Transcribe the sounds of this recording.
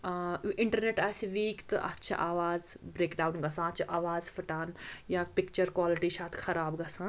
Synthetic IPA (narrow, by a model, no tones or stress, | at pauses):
ɪɳʈɐɾneʈaːsʋiːkt̪ɨʔɐ̰tːt͡ʃʰɐ̰ʔaːʋaːzbɾeːkɖaːunɡɐsãːɐt͡ʃʰɐʔaːʋaːzfʰɐʈaːnjapɪk̚t͡ʃɐɾkwaːliʈiʃaːt̪ʰxʰɐɾaːbɡɐsãː